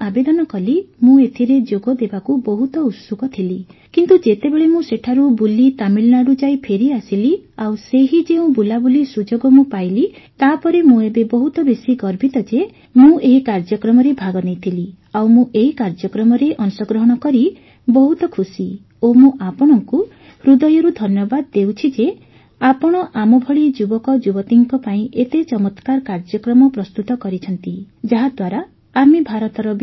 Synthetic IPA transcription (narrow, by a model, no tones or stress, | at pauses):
abed̪ɔnɔkɔlimũet̪ʰiɾed͡ʒoɡɔd̪ebakubɔɦut̪ɔut̪sukɔt̪ʰilikint̪ud͡ʒet̪ebeɭemũseʈʰaɾubulit̪amilnaɽud͡ʒajpʰeɾiasiliawseɦid͡ʒeũbulabulisud͡ʒoɡɔmũpajlit̪apɔɾemũebebɔɦut̪ɔbesiɡɔɾbʱit̪ɔd͡ʒe | mũeɦikaɾd͡ʒɔkɾɔmɔɾebʱaɡɔnejt̪ʰili | awmũʔeɦikaɾd͡ʒɔkɾɔmɔɾeʔɔnusɔɡɾɔɦɔɽ̃ɔkɔɾi | bɔɦut̪ɔkʰusi | omũʔapɔɽ̃ɔŋku | hɾud̪ɔjɔɾud̪ʱɔnjɔbad̪d̪ewt͡ʃʰid͡ʒe | apɔɽ̃ɔʔamɔbʱɔɭid͡ʒubɔkɔd͡ʒubɔt̪iŋkɔpaĩʔet̪et͡ʃɔmɔt̪kaɾkaɾd͡ʒɔkɾɔmɔpɾɔst̪ut̪ɔkɔɾit͡ʃʰɔnt̪i | d͡ʒaɦad̪waɾaː | mibʱaɾɔt̪ɔɾɔb